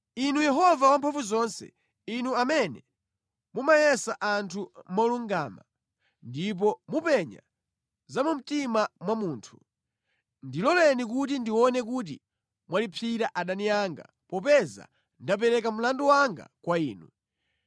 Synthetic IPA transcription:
inujɛɦɔvawampʰaɱfuzɔnsɛ̰ | inuamɛnɛ | mumajɛsaʔantʰumɔluŋɡama̰ | ndip̬ɔmupɛɲa̰ | zamum̩timamwamuːntʰu̥ | ndilɔlɛnik̬ut̬indiwɔnɛk̬ut̬ḭ | mwalipʰiɾaʔaɗanijaŋɡa̰ | pɔpɛza̰ | ndap̬ɛɾɛkam̩landuwaŋɡa̰kwaiːnu

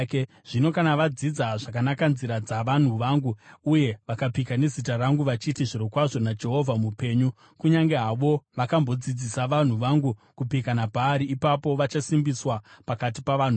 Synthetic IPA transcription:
k | ʐ̥ino̞kanaʋad͡zid͡zaʐakanakanziɾad͡zaʋan̤uʋaːŋɡuuje̞ʋakapikane̞zitaraŋɡuʋat͡ʃitiʐiɾokwaʐo̞nad͡ʒe̞ɦo̞vʱamupe̞ːɲu | kuɲaŋɡeɦaʋo̞ʋakambo̞d͡zid͡zisaʋan̤uʋaŋɡukupikanapaːɾiːpapo̞ʋat͡ʃasimbiswapakat̬ipaʋan̤u

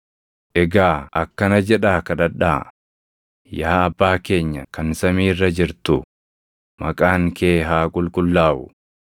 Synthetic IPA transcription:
ʔɛɡaːɐkːɐnɐd͡ʒɛᶑaːkɐᶑɐᶑaː | jaːɐbːaːke̞ːɲːɐkɐnsɐmiːrːɐd͡ʒɪɾt̪ʊ | mɐkʼaːŋkʰe̞ːɦaːkʼʊlkʼʊlːaːʔʊ̰

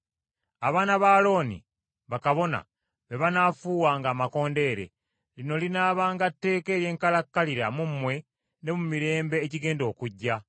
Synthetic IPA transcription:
aβaːnaβaːlo̞ːnḭ | βakaβo̞na̰ | βe̞βanaːfuːwaːŋɡaːmako̞ːnde̞ːɾe̞̰ | lino̞linaːβaːŋɡatːe̞ːke̞ːɾje̞ːŋkalakːaliɾamumːwe̞ | ne̞mumiɾe̞ːmbe̞ːciɡe̞ːndo̞ːkuɟːa

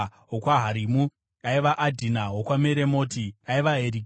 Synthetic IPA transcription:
ɦokwaɦaɾiːmu | aiʋaʔadʱinaɦokwameɾemo̞ːtiaiʋaɦeɾi

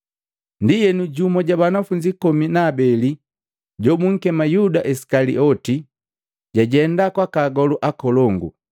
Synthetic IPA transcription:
ndijɛnuɟumɔɟabanafuɲd͡ʒikɔminaːbɛli | ɟɔbuŋ̩kɛmajudaʔɛsi̥kalḭʔɔti | ɟaɟɛndakwakaɡɔluʔakɔlɔŋɡṵ

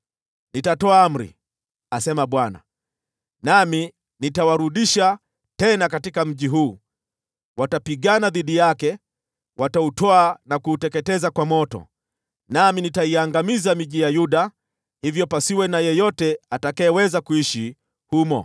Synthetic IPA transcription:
nitatɔaam̩ɾḭ | asɛmaɓwana̰ | nami | nitawaɾuɗiʃa | tɛnakatikam̩ʄiɦuː | watapiɠanaðiɗijakɛ | wʔatautɔanakuːtɛkɛtɛzakwamɔtɔ̰ | naminitaiaŋɡamizamiʄijajuɗa | hivjɔpasiwɛnajɛjɔtɛatakaɛwɛzakuiʃi | humɔ̰

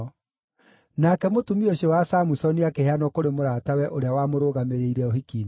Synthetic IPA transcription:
nakɛmotumioɕewasamusɔniakeheanɔkoɾemoɾatawɛʔoɾeawamoɾoɣameɾeiɾɛohikiːm

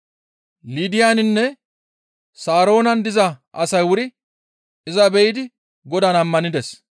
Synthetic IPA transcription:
liːd̪ɪjaːnɪnːɛ | saːɾo̞ːnɐnd̪ɪzɐʔɐsɐjwʊɾɪ | ɪzɐbɛjɪd̪ɪ | ɡɔd̪ɐnɐmːɐnɪd̪ɛs

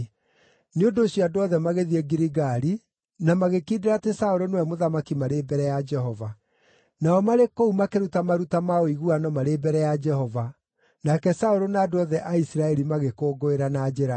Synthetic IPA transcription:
neondoːɕjɔadoɔðɛmaɣeðiɛɡiɾiɣaɾi | namaɣekideɾatesaoɾonowɛmoðamakimaɾeːbɛɾɛjad͡ʒɛɦɔva | naɔmaɾekoumakeɾutamaɾutamaoiɣuanɔmaɾebɛɾɛjad͡ʒɛɦɔva | nakɛsaoɾonaːdoɔðɛʔaisɾaɛɾimaɣekoːɡoeɾanad͡ʒɛɾa

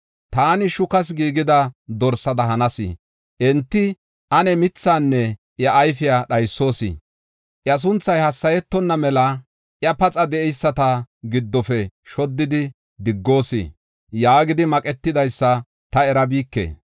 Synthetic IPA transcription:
t̪aːnɪʃʊkɐs̬ɡiːɡɪd̪ɐd̪ɔɾsɐd̪ɐɦɐnɐsɪ̰ | ʔɛnt̪ːɪ | ʔɐnɛmɪt͡sːaːnːɛ | ʔjɐʔːjfɪjaɗɐjsːo̞ːsɪ̰ | ʔjɐs̬ʊnt͡sːɐjhɐsːɐjɛt̪ːɔnːɐmɛlɐ | ʔjɐpɐt͡sʼɐd̪ɛɛjsːɐt̪ɐɡɪd̪ːɔfɛʃɔd̪ːɪd̪ɪ | d̪ɪɡːo̞ːsḭ | jaːɡɪd̪ɪmɐkʼɛt̪ːɪd̪ɐjsːɐ | t̪ɐɛɾɐbiːkːḛː

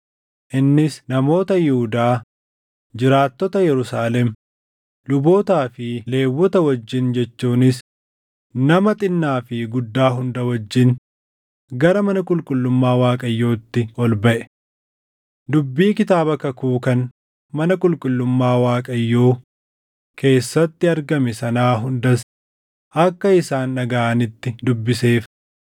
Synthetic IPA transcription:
ʔɪnːɪsnɐmo̞ːt̪ɐjɛhʊd̪aː | d͡ʒɪɾaːt̪ːɔt̪ɐjɛɾʊsaːlɛm | lʊbo̞ːt̪aːfɪle̞ːwːɔt̪ɐwɐd͡ʒːɪnd͡ʒɛt͡ʃːuːnɪs | nɐmɐt̪ʼɪnːaːfɪɡʊd̪ːaːɦʊnd̪ɐwɐd͡ʒːɪn | ɡɐɾɐmɐnɐkʼʊlkʼʊlːʊmːaːwaːkʼɐjːo̞ːt̪ːɪɔlbɐʔɛ̥ | d̪ʊbːiːkɪt̪aːbɐkɐkuːkɐn | mɐnɐkʼʊlkʼʊlːʊmːaːwaːkʼɐjːo̞ː | kʰe̞ːsːɐt̪ːɪɐɾɡɐmɛsɐnaːɦʊnd̪ɐs | ʔɐkːɐɪsaːnːɐɡaːnɪt̪ːɪd̪ʊbːɪse̞ːf

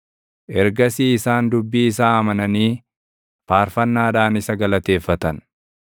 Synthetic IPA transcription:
ʔɛɾɡɐsiːɪsaːnd̪ʊbːiːɪs̬aːɐmɐnɐniː | faːɾfɐnːaːᶑaːnɪsɐɡɐlɐt̪e̞ːfːɐt̪ɐn

